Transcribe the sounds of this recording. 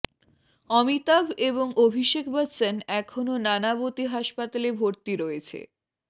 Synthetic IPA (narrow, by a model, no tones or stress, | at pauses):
ɔmit̪abʱeboŋʔobʱiʃekʰbat͡ɕanɛkʰononanabot̪iɦaʃpat̪alebʱoɾt̪iɾɔet͡ɕʰḛ